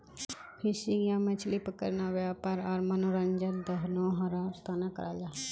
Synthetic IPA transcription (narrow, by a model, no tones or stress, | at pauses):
pʰɪʃɪŋjãːmɛt͡ʃʰliːpəkə̰ɾnaːʋaːpəɾɔːɾmənoɾənd͡ʒəld̪əɦnõːɦəɾaːɾt̪aːnãkə̰ɾaːd͡ʒaː